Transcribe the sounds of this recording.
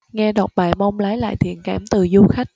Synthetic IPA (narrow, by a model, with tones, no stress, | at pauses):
ŋɛ˧ɗɔ˨˩t̚ɓaː˨˩jmə˧wŋ͡mlaː˨˦jla̰ː˧˨jt̪ʰḭ˧˨ənkaː˧˩mt̪ɨ˨˩zu˧xa˦˥k̟̚